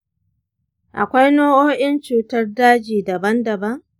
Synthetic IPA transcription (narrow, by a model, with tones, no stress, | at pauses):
ʔa̰˨kʷa˦jnoː˦ʔoː˦ʔɪ˦nt͡ʃuː˨tɐ˦rdaː˦d͡ʒiː˨dɐ˨bɐ˦ndɐ˨bɐ˦ŋ